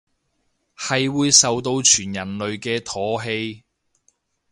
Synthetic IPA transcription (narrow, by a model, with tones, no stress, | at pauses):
hɐ˨jwuː˨˧jsɐ˨wt̪o˧wt͡ʃʰyː˨˩njɐ˨˩nlɵ˨ɥkɛː˧t̪ʰɔː˨˥ɦe˧j